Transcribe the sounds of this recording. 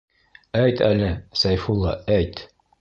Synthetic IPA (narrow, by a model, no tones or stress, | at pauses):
æjt̪ʰælɘsæjfulˠːɑæjt̪